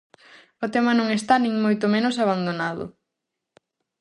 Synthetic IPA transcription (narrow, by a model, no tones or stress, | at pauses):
ʊt̪ɛmɐnõŋest̪anĩŋmojt̪ʊmenʊsaβand̪onaðʊ̰